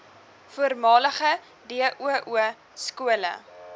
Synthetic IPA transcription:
fuərmɑːləχə | diəʔuəʔuə | skuələ̰

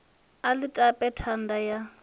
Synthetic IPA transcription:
alɪtʼapʼɛtʰan̩daja

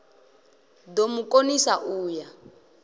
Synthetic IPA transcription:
domukʼonisaʔuːja

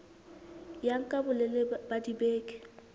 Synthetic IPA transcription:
jaŋ̩kʼabʊlɛlɪbadibeːkʼɪ̥

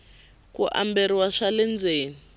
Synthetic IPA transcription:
kuʔa̰mbɛɾiwaʂalɛnd͡zeːni

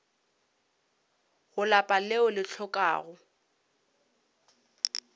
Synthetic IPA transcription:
ɣʊlapʼaleʊlɪt͡ɬʰɔkʼa̰ːɣʊ

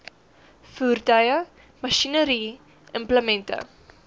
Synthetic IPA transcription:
fuːrtœjə | mɐʃinəɾi | əmpləmɛntə̰

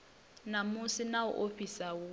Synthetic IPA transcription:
namusinaṵʔoɸisawu

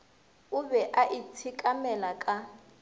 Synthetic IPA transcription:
ubɛʔaʔit͡sʰikʼamɛlakʼa

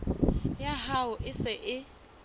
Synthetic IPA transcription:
jaɦaʊʔɪsɪʔɪ

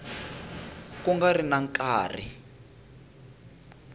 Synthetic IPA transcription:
kuŋɡarinaŋkʼaːr̤ḭ

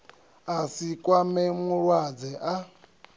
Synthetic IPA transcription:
asikʼwamɛmuwad͡zɛʔa

